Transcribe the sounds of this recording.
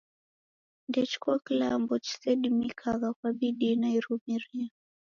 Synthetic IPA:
ndɛt͡ʃu̥kuakilambɔt͡ʃi̥sɛdimikʰaɣakwaɓiɗinaiɾumiɾia

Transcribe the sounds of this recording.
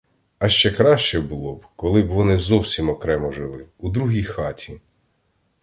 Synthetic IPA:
ɐʃt͡ʃɛkɾɑʃt͡ʃɛbulˠɔbkɔlˠɪbʋɔnɪzɔwsʲimɔkɾɛmɔʒɪlˠɪud̪ɾuɦʲijxɑtʲʰi

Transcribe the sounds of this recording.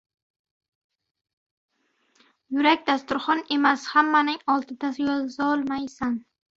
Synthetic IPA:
jʊɾakʲd̪ast̪ʊɾχɒne̞mashamːanɪŋɒlˠt̪ʰɪd̪asɪjɒzɪzaɒlˠmajsan

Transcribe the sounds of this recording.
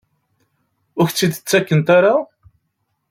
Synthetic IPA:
ʊçt͡sːid̪t͡sːækːənt̪aɾa

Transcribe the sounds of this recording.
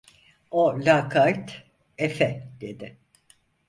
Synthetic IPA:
olʲakʰajt̪ | efɛd̪̥e̞d̪ɪ

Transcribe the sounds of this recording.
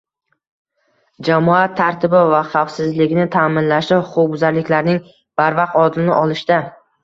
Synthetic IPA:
d͡ʒamɒat̪ʰːaɾt̪ʰɪbɪvaχɑwfsɪzlɪɡʲnɪt̪ʰaːmɪnlaʃlɪhʊqʊbʊzaɾlɪkʲlaɾnɪŋ | b̥aɾvaqɒd̪lɪnɪʔɒlˠɪʃd̪a

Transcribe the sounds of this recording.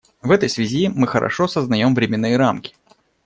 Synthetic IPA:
vɛt̪əjsvʲɪzʲimɨxəɾʔɐ̰ʂosəznɐjo̞mvɾʲɪmʲɪnːɨjəɾamkʲɪ̥

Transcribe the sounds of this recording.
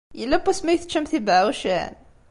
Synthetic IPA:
jəlːæbæsmæjθə̥t͡ʃːæmθibʕuʃæ̰n

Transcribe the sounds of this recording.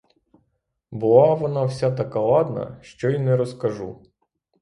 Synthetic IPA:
bɨlˠavɐnafsʲat̪ɐkɐlˠad̪nɐ̰ʃt͡ʃɔinɛɾɐskɐʐu

